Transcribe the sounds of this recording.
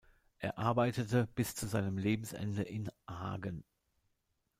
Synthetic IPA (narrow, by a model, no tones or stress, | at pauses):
ʔeːɐʔaɐbaɪtətəb̥ɪst͡suzaɪnəmleːbm̩sʔɛ̰ndəʔɪnha̰ːɡən